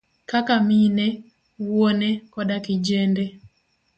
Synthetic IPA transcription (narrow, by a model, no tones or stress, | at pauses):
kakamine | wonekɔdakɪd͡ʒende